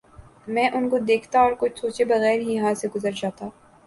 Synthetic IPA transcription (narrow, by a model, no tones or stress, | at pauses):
mɛ̃ːʔʊnkod̪eːkʰt̪aɔːɾkʊt͡ʃʰsoːt͡ʃebɐɣɛːɾɦijɐɦãseɡʊzəɾd͡ʒaːt̪aː